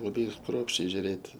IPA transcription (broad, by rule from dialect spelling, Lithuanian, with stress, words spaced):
lˠɐˈbɐɪ ˈkruɔpʲʃʲt͡ʃʲɛɪ ʒʲʊˈrʲeːtʲ